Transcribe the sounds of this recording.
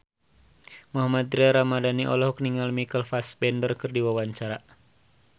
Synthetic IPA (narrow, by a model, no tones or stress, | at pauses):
muɦamat̪̚ɾiaɾamadaniʔɔ̰lɔhɔkniŋalmikəlfaspɛndərkɨrdiwawaɲt͡ʃaɾa